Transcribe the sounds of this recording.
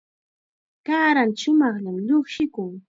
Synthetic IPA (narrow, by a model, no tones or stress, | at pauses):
kaːɾanʃʊmɑχʎamʎoχʃɪkʊŋ